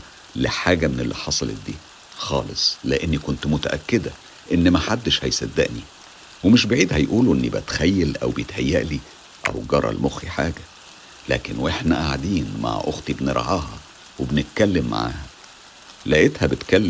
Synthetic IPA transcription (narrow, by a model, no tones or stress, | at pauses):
leħaːɡæmenelːiħɑsˤɑlḛt̪̚d̪iː | xɑːlesˤleʔenːikont̪mot̪æʔækːed̪æ | ʔenːmæħad̪ːeʃhæjsæd̪ːæʔni | wemeʃbeʕiːd̪hæjʔuːluʔenːibæt̪xæjːælʔæ̰wbejet̪hæjːæʔli | ʔæ̰wɡɑɾˤɑ̰lmoxiħaːɡæ | læ̰ːkenweħnæʔaʕd̪iːnma̰ʕʔoɣt̪ibneɾˤʕɑːhɑ | webnet̪̚kælːemːa̰ʕa̰ːhæ | læʔet̪hæbet̪kælː